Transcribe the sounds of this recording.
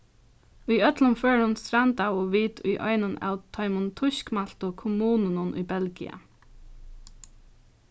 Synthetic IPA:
ʉjœt̪lʊnføːɹhʊnst̪ɾant̪awoːʋiːt̪ʊ̰jʔɔ̰ʏnʊnʔa̰ʊt̪ʰœʏmʊnt̪ʰʊʃkmal̥t̪ʊkʰʊmuːnənʊnʔʊ̰jbɛlɡɪa̰

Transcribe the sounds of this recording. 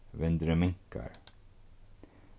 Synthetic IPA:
ʋɛnd̪ɾəmɛŋka̰ɾ

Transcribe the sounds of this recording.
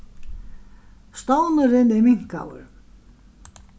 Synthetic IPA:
st̪ownʏɾɪnɛɾmiŋ̥ka̰wʏ̰ɾ

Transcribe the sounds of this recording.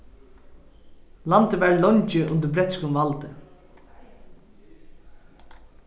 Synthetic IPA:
lant̪əʋæːɹlɔɲt͡ʃɪʔʊ̰nt̪ɪɾbɾɛt̪skʊmvalt̪ɪ

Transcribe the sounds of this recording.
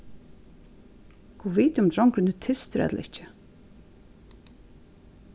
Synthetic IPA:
kuviːt̪ɪʊmt̪ɾɔwŋkɾɪnʉt̪ʰɪst̪ɪɾɛ̰t̪l̰ɪht͡ʃɪ̥

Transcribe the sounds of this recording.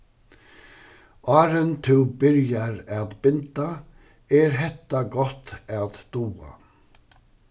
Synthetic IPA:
ɑːɾənt̪ʰɪwbɪɾjaɾaðbɪnt̪a | ɛɾɦɛt̪aɡɔt̪aðd̪̥uːa̰

